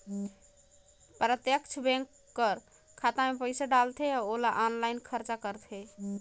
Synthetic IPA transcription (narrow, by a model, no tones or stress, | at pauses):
pɾət̪jəkt͡ʃʰəbɛ̃ŋkːəɾ | kʰat̪amepəɪsaɖalt̪ʰɛaolaʔɔnlajnkʰəɾt͡ʃakəɾt̪ʰɛ